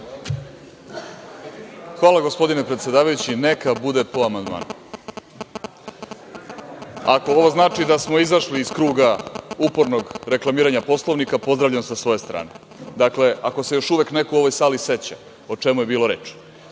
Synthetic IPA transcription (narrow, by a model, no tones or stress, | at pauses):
xʋaːlˠaɡo̞spo̞d̪inepɾet̪sed̪aːʋajut͡ɕine̞kabud̪e̞poamand̪ma̰ːnu | ako̞o̞ʋo̞znaːt͡ʂid̪asmo̞izaʃliːskɾuːɡaupo̞ɾno̞ɡɾe̞klˠamiːɾaɲapo̞slˠo̞ʋnikapo̞zd̪ɾaʋʎamsasʋo̞je̞st̪ɾa̰ːne̞ | d̪akle̞ako̞se̞jo̞ʃuʋe̞kne̞kuo̞ʋo̞jsaːlise̞t͡ɕa | ot͡ʂe̞mujebiːlo̞ɾḛːt͡ʂ